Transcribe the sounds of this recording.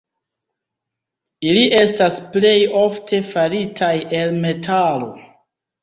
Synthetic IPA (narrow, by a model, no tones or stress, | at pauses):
iliʔe̞stasple̞jo̞ftʰe̞faɾitʰaje̞lme̞tʰalo̞̰